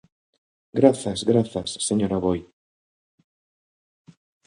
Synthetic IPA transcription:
ɡɾaθɐzɣɾaθɐsːeɲoɾaβoj

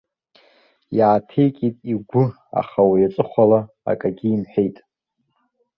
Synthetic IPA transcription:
jaːtʰejkʲʼitʼiɡʷʊ | a̰χawajat͡sʼɨχʷala | a̰kʼaɡʲiːmħᶣejtʼ

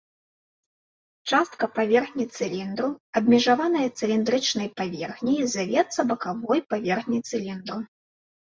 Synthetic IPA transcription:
t͡ʂast̪̚kɐpavʲɛrxnʲit̪sɨlʲind̪ɾuɐbʲmʲiʐavanɐjɐt̪sɨlʲind̪ɾɨt͡ʂnɐjpavʲɛrxnʲizavʲɛt̪sːɐbɐkavɔjpavʲɛrxnʲit̪sɨlʲind̪ɾu

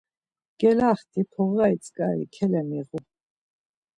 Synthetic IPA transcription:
ɡ̥ɛlaχt̪ʰipʰɔʁait͡sʼkʼaɾḭkʰɛlɛmiʁu

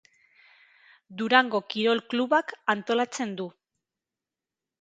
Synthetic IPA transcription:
d̪uɾaŋɡo̞kiɾo̞lkluβakant̪o̞lat͡se̞nd̪u

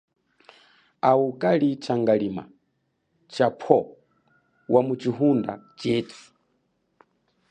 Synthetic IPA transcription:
aukʼalit͡ʃaŋɡalima̰ | t͡ʃapʰɔ | wʔamut͡ʃiɦunda̰t͡ʃɛːt͡sʰu̥

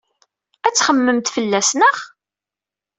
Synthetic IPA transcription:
æt͡sːχəmːəmt̪fəlːæsnəʁ

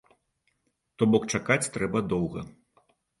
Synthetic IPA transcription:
t̪ɔbɔkt͡ʂakat͡sʲt̪ɾɛbɐd̪ɔwɣɐ̰

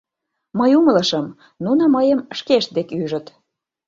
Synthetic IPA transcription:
məjumələʃəm | nunəməjəmʃkeʃt̪̚d̪ekyʒə̆t̪

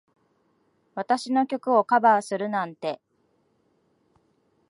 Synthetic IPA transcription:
βat̪aɕino̞kʲo̞kɯ̟o̞kabaːsɨɾɯ̟nãnt̪e̞

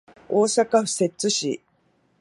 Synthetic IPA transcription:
oːsakaɸɯ̥se̞t͡sɨɕḭ

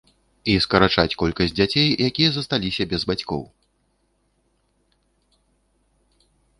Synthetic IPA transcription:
iskɐɾat͡ʂat͡sʲkɔlʲkɐsʲd͡zʲat͡sʲejjakʲijɐzɐst̪alʲisʲɐbʲɛzbat͡sʲkɔ̰w

